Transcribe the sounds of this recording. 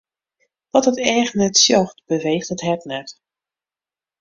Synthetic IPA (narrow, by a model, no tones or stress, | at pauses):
ʋɔtətɛːxnɛtsjɔχtb̥əʋejxdətɦɛtnɛt